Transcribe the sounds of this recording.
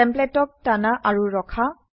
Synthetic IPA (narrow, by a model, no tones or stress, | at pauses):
ɛ̃mplɛtɔk̚tanaʔaɹuɹɔkʰa